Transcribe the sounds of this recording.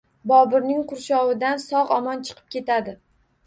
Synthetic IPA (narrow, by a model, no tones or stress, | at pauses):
bɒbɪɾnɪŋqʰʊɾʃɒʁɪd̪ansɒʁɒmɒnt͡ʃʰɨ̥qʰɨ̥p̚kʲʰe̞t̪ad̪ɪ